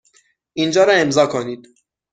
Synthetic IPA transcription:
ʔind͡ʒɒːɾɒe̞mzɒːkʰoniːd̪̥

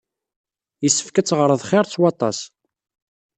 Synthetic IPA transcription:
jəsːə̥fkæt͡sːʁɾˤəðˤχɪɾˤt͡sːwɑt̪ˤɑ̰s

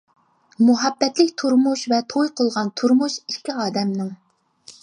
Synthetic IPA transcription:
muɦɛbːɛt̪lɪkʲt̪ʰuɾmuʃvɛt̪ʰojqʰolˠʁɑnt̪ʰuɾmuʃi̥ʃkʲiɑːd̪ɛmnɪŋ

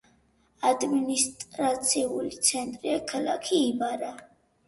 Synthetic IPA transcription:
ad̪minist̪ʼɾat̪sʰiulit̪sʰɛnt̪ʼɾiakʰala̰kʰiːbaɾa

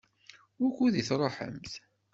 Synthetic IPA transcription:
wækʷːuðiθɾˤoħə̰mθ

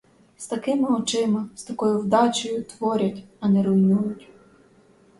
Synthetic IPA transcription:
st̪ɐkɪmɪɔt͡ʃɪmɪst̪ɐkɔjʊwd̪ɑt͡ʃɔjʊt̪ʋɔɾʲɐtʲɐnɛɾʊjnujʊtʲ

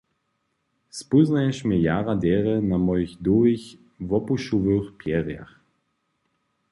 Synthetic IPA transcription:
spuznajɛʃmɛjaʁad̪ʲɛʁɛnamɔjixd̪uix | vɔpuʃuvøxpjɛʁja̰x

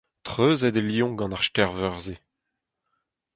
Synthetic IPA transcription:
t̪χʁøːzɛd̪eljɔ̃ɡɑ̃naʁʃtɛʁvœʁze

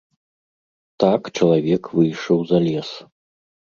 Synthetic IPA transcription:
t̪akt͡ʂɐlˠavʲɛkvɨjʂɐwzalʲɛs

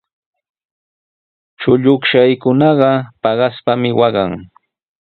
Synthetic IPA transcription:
t͡ʃʊʎʊkʃajkʊnɑɢɑpɑɢɑspamɪwɑɢɑŋ

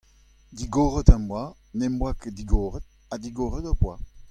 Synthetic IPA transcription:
d̪iɡɔʁət̪ambwa | nɛmbwaked̪iɡoːʁət̪̚ | ad̪iɡoːʁət̪apwa

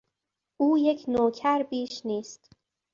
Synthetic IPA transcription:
ʔuːjecʰnoːkʰæɾbiːʃniːst̪

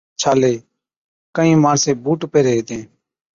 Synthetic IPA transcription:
t͡ʃʰaːleː | kəĩːmaːɳsẽːbuːʈpeːɾeːɦeːt̪ẽː

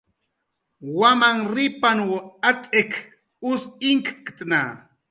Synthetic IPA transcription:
wamaŋɾɪpanwoat͡ʃʼek | ʊsɪŋkkt̪ʼna̰

